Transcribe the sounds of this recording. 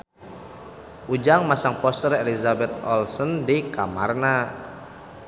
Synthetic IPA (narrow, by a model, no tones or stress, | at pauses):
ʔud͡ʒaŋmasaŋpɔst̪ərelizabɛt̪̚ɔ̰lsɔndikamarna